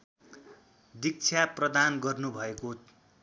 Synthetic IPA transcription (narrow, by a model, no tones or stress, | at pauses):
d̪ik̚t͡sʰjaprʌd̪anɡʌrnubʱʌeko